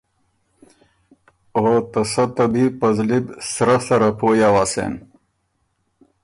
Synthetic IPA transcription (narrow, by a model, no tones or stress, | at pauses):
ot̪ɐsɐt̪ɐbipɐzlibsɾasɐɾapʰoːjawasḛn